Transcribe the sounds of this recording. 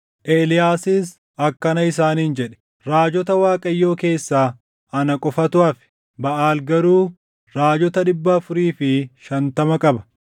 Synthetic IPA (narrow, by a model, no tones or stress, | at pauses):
ʔeːlɪjaːsɪs | ɐkːɐnɐɪs̬aːniːnd͡ʒɛᶑɛ̥ | ɾaːd͡ʒɔt̪ɐwaːkʼɐjːo̞ːke̞ːsːaː | ɐnɐkʼɔfɐt̪ʊaːfɪ̥ | bɐʔaːlɡɐɾuː | ɾaːd͡ʒɔt̪ɐᶑɪbːɐːfʊɾiːfɪʃɐnt̪ɐmɐkʼɐbɐ̥